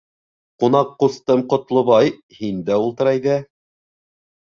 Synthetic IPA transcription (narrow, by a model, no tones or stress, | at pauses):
qunɑqːust̪ɤmqŏt̪lˠŏβɑj | hind̪æulˠt̪ɤ̆ɾɑjðæ